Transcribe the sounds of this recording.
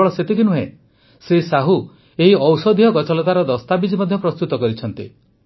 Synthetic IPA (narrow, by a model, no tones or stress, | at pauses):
ɭɔset̪ikinuɦẽ | sesaɦu | eɦiɔwsɔd̪ʱijɔɡɔt͡ʃɔlɔt̪aɾɔd̪ɔst̪abid͡ʒimɔd̪ʱjɔpɾɔst̪ut̪ɔkɔɾit͡ʃʰɔnt̪ḭ